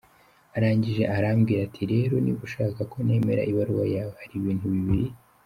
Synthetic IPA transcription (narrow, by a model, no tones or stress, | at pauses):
aɾaːɲɟiʒe̞ʔaɾamɡiːɾatʰiɾe̞ɾo̞niβuʃaːkako̞ne̞ːme̞ɾa̰ʔiβaɾwa̰jahaɾiːβiːnhuβiβiɾi